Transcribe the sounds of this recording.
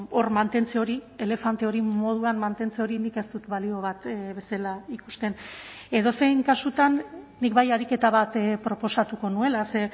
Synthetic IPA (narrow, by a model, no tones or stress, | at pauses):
o̞rmant̪e̞nt͡seo̞ɾie̞le̞fant̪e̞o̞ɾimo̞ð̞uanmant̪e̞nt͡seo̞ɾinike̞st̪ut̪βalio̞β̞at̪βe̞selaiku̥st̪e̞n | e̞ð̞o̞se̞jŋkasut̪anːikβajaɾike̞t̪aβat̪pɾo̞po̞sat̪uko̞nue̞lase̞